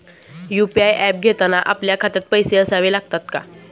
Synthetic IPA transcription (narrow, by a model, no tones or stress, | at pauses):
jupiajʔɛp̚ɡʱet̪anaʔapljakʰat̪ət̪̚pəjseəsaʋelaɡt̪at̪ka̰